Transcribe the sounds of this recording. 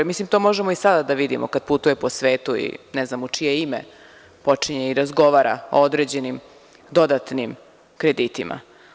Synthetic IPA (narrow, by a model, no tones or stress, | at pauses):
mislimt̪omo̞ʒemoisad̪ad̪aʋid̪imokad̪̥̚put̪ujepo̞sʋe̞ːt̪uḭnɛznamut͡ʂije̞ime | po̞t͡ʂiɲeiɾazɡo̞ʋaːɾa̰o̰od̪ɾed͡ʑe̞nim | d̪o̞d̪at̪nim | kɾed̪it̪imʔa̰